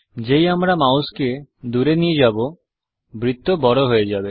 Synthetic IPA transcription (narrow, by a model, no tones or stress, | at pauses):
d͡ʑejamɾamawsked̪uɾenied͡ʑabo | bɾit̪ːobɔɽoɦoed͡ʑabe